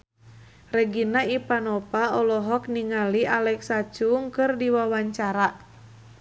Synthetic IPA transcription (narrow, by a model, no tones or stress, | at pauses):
rɛɡinaipanɔpaɔlɔɦɔkniŋalialɛksat͡ʃuŋkɨrdiwawaɲt͡ʃaɾa